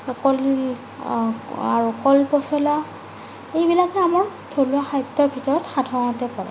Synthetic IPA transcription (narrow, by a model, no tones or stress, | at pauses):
kɔli | a̰ɹukɔlpɔsɔla | ejbilakɛamɔɹ | tʰoluaxajtːɔbʱitɔɹɔtxadʱɔŋɔtɛpɔɹɛ̰